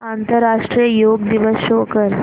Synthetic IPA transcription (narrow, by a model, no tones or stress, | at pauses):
ant̪əɾːaʂʈɾijəjoɡ̚d̪iʋəsokəɾ